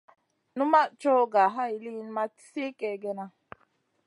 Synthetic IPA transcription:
nu˦ma˦t͡ʃɔ˦ɡa˨ɦa˦i˨li˦n˦ma˦se˦ke˨ɡɛ˦na˦

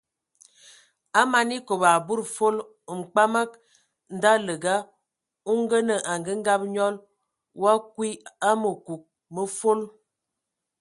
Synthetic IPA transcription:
a˦ma˨ni˦ko˨ba˨bu˦ɾfo˦l | ŋ͡m̩˨k͡pa˦mə˦k̚ | n̩˨da˦lə˨ɡa˦ | u˦ŋ˦ɡə˦nə˨ʔa˨ŋɡə˦ŋ˦ɡa˦p̚ɲɔ˦l | wa˦kwi˦a˦mə˨ku˨k̚ | mə˦fo˦l

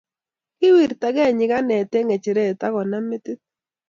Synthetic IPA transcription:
kɪ˦wi˨ɾta˨ɡɛ˦˨ɲɪ˨ɡa˦nɛ˨te˦ŋe˨t͡ʃe˨ɾe˦˨ta˦kɔ˨na˦mɪ˦t̪ɪ˦t̚

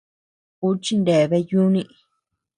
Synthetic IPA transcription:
u˦t͡ʃi˦nd̪e˨βe˧ju˦nĩ˧ʔ

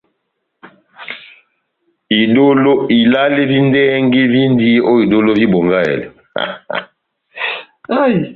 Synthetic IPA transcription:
i˨do˦lo˦i˨la˦li˦vi˦ndɛ˦ŋɡi˦vi˦ndi˦ʔo˦i˨do˦lo˦vi˦bo˨ŋɡa˦ɛ̰˨lɛ̰˨ | a˦j

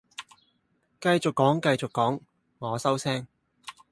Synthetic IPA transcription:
kɐ˧jt͡sʊ˨kːɔː˨˥ŋkɐ˧jt͡sʊ˨kːɔː˨˥ŋ | ŋɔː˨˧sɐ˥wsɛː˥ŋ

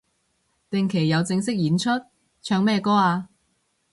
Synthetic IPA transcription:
t̪ɪ˨ŋkʰe˨˩jːɐ˨˧wt͡sɪ˧ŋsɪ˥k̚jiː˨˥nt͡ʃʰɵ˥t̚ | t͡ʃʰœː˧ŋmɛː˥˧kɔː˥aː˧

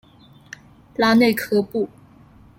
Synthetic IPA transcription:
la˥ne˥˩ɪkʰɤ˥pu˥˩

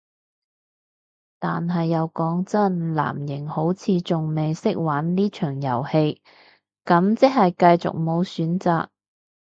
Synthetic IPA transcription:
t̪aː˨nɦɐ˨jːɐ˨˧wkɔː˨˥ŋt͡sɐ˥nla̰ː˨˩mjɪ˨˩ŋho˨˥wt͡sʰiː˨˧t͡sʊ˨ŋme˨jsɪ˥k̚waː˨˥nliː˥t͡ʃʰœː˨˩ŋjɐ˨˩whe˧j | kɐ˨˥mt͡sɪ˥k̚hɐ˨jkɐ˧jt͡sʊ̰˨k̚mo˨˧wsyː˨˥nt͡sa̰ː˨k̚

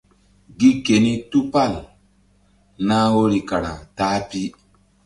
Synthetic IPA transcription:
ɡi˦ke˨ni˦tu˦pa˦˨l | naː˦wo˦ɾi˨ka˨ɾa̰˨taː˦pi˦

